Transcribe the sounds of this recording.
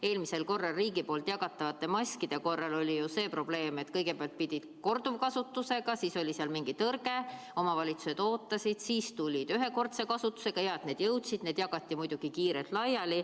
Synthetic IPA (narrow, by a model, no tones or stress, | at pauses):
e̞ːlmise̞lko̞rːɑlriːɡipo̞ːlt̪jɑɡ̥ɑt̪ːˑɑvɑt̪ːˑe̞mɑsʲkid̪̥e̞ko̞rːɑlo̞lʲijuse̞ːpro̞b̥le̞ːme̞t̪ːkɤjɡe̞peɑlt̪̚pid̪̥ʲid̪̥ko̞rd̪uvkɑsut̪ːuse̞ɡ̥ɑsiːso̞lʲiseɑlmiŋɡ̥it̪ɤrɡ̥e̞ | o̞mɑvɑlʲit̪su̥se̞d̪̥o̞ːt̪ːɑsʲid̪̥siːst̪ulʲid̪̥yɦe̞ko̞rt̪se̞kɑsut̪ːˑu̥se̞ɡ̥ɑjɑet̪ne̞ːd̪̥jɤwt̪sid̪̥neːd̪jɑɡ̥ɑt̪ʲːˑimujd̪̥uɡ̥ikiːɾet̪lɑjɑli